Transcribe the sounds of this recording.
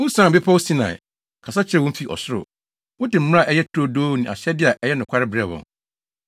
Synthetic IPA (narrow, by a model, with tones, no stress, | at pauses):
wʊ̃˦sã˦˨bɪ˦pʰa˦wo˦sĩ˦nã̰˨ | kʰa˨sa˦t͡ɕʰɪ˦ɾɛ˦˨wʊ̃˦m̩˦fi˨ʔɔ̰˨sʊ˦ɾʊ̰˨ | wʊ̃˦dɪ˨m̩˦m̃˦a˦˨ʔɛ˦jɛ˦tʰɾo˦doː˦nĩ˨a̰˨ɕɛ˦dɪ˦a˨ʔɛ˦jɛ˦nʊ̃˨kʰʷa˦ɾɪ˦bɪɾɛ˦˨bɔ̰̃˨ŋ